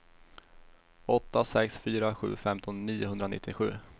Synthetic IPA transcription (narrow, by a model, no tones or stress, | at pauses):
ɔt̪ːasɛksfyːɾaɧʉ̟ːfɛmt̪ʰɔnːiːʊhɵnd̪ɾanɪ̰t̪ʰːɪɧʉ̟ː